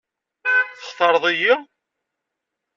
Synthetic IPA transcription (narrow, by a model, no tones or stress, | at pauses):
θə̥χθɑɾˤðˤiji